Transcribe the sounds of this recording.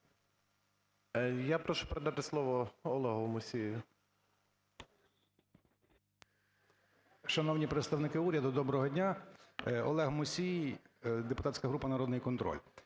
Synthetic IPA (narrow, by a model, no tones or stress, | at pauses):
japɾɔʃʊ̥peɾed̪ɑt̪ɪslˠɔʋɔɔlˠɛɦʊmʊsʲij | ʃɐnɔwnʲipɾet̪st̪ɐwnɪkɪuɾʲɐd̪ʊd̪ɔbɾɔɦɔdʲnʲa | ɔ̰lˠɛɦmʊsʲijd̪epʊt̪at̪ʲsʲkɐɦɾupɐnɐɾɔd̪nɪjkɔnt̪ɾɔ̰lʲ